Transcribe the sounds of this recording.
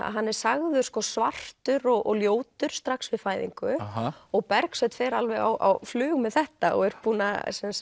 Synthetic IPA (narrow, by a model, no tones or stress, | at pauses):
a̰ɦanːɛɾ̥saɣðʏɾ̥skɔːsvar̥tt̪ʏɾɔɣʔɔ̰ɣljoːwt̪ʏɾ̥st̪ɾaksvɪðfaːjðḭŋkʏɔɣpɛɾksɛt̪fɛːɾalvɛɣa̰wʔa̰wflʏːɣmɛðθɛht̪aɔ̰ɣɛɾpuːna̰sɛns